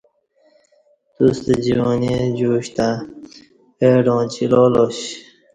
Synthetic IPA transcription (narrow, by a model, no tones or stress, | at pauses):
t̪ust̪ed͡ʑiwoːned͡ʑuːɕt̪a | eɖõːt͡ɕiloloɕ